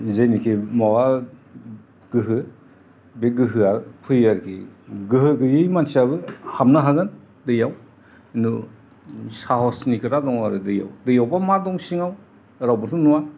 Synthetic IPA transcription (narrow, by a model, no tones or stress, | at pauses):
zejnikʰimawa | ɡ̥ɯɦɯ | beɡɯɦɯapʰɯjaɾkʰiɡɯhɯɡɯjɯjmansiabɯhamnaɦaɡɯn | dɯjaw | nu | saɦɔsnikʰɯɾadɔŋaɾɯdɯja̰wdɯjawbamadɔŋsiŋaw | ɾawbɯtʰunuwa